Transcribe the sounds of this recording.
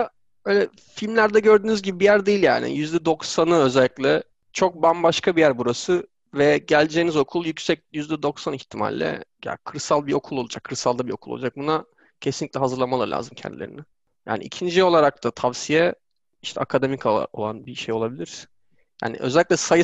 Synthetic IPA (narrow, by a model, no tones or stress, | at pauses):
a | bøjlʲɛ | filʲmlʲæɾd̪ɛɟø̞ɾd̪yːnyzɟibibijæɾd̪ejilʲja̰ːnɪ̰jyzd̪ɛd̪o̞ksanɯø̞zɛlʲːiclʲɛ | t͡ʃʰo̞k̚bambaʃkʰabijæɾbuɾasɯ | vɛɟælʲd͡ʒeːnizo̞kʰulˠjycsɛc̚jyzd̪ɛd̪o̞ksaniçt̪ʰima̰lʲːɛ̰ja̰kʰɯɾsalˠbio̞kʰulˠo̞lˠud͡ʒakʰːɯɾsalˠd̪abio̞kulˠo̰lˠad͡ʒak̚buna | cʰesinlʲːic̪ʲlʲɛɦazɯɾlˠamalˠaɾlʲʔa̰ːzɯmcʰɛ̰nd̪ilʲeɾinɪ | ja̰ːnḭḭcʰind͡ʒio̞lˠaɾak̚t̪ʰat̪ʰavsijɛ | iʃt̪ʰɛakʰad̪emikʰo̰lˠa̰nbiʃe̞jo̞lˠabilʲiɾ̥ | ja̰ːnḭʔø̞̰zɛlʲiclʲɛsaj